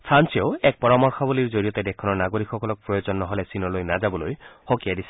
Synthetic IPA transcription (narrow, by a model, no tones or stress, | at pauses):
sʰansioɛk̚pɔɹamɔɹxʰɔbuliɹzoɹijɔtɛdɛkʰɔnɔɹnaɡoɹikʰxɔkɔlɔk̚pɹɔjozɔnːɔɦolɛsinɔlojnazabɔlojxokijadisɛ̥